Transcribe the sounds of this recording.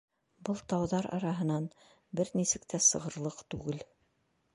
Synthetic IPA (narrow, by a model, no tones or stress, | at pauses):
bɤlˠt̪ɑwðɑɾɑ̰ɾɑɦɤ̆nɑn | bɘɾnisɘ̆kt̪ʰæsɤ̆ʁɤ̆ɾlˠɤqt̪ʉɡɘl